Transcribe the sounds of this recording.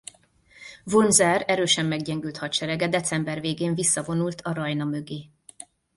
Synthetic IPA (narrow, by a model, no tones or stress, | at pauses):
vulmzɛrɛɾøːʃɛmːɛɡɟɛŋɡylt̪hɒt̪ʃɛɾɛɡɛd̪ɛt̪sɛmbɛrveːɡeːɱvisːɒvo̞nult̪ʰɒɾɒjnɒmø̞ɡeː